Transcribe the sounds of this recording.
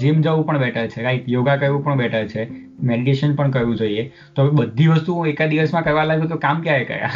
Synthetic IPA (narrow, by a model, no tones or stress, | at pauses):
d͡ʒemd͡ʒəʋũpəɳbɛʈʰəɾt͡ʃʰeɾaiʈjoɡakəɾʋũpəɳɓɛʈʰəɾt͡ʃʰe | meɽiʈeʃənpəɳkəɾʋũd͡ʒoie | t̪obəd̪ʱːiʋəst̪uekad̪iʋəsmãkəɾʋalaɡũk̪ekamkjaekə̰ɾa̰